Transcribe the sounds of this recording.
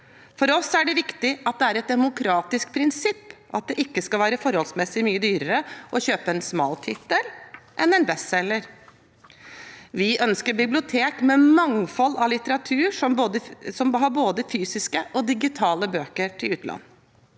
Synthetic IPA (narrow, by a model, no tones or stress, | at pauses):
fɔɾɔsæɖɛʋɪkt̪ɪʔɑt̪̚d̪ɛæɾɛt̪̚d̪ɛmʊkʰɾɑːt̪ɪskpʰɾɪnsɪpːʔɑt̪̚d̪ɛʔɪkːəskɑlʋæːɾəfɔɾhɔlsmɛsːɪmyːəd̪yːɾəɾəʔɔçøːpəɛnsmɑ̰ːlt̪ʰɪt̪ːəlʔɛnɛnbɛsɛlːəɾ | ʋɪʔœnskəɾbɪblɪʊt̪ʰeːkmɛmɑŋfɔlːɑlɪt̪əɾɑt̪ʰʉːɾʂɔmboːd̪əsɔmɦɑɾboːd̪əfyːsɪskəʔɔd̪ɪɡɪt̪ʰɑːləbøːkəɾʈʰɪlʉːt̪lɑ̰nː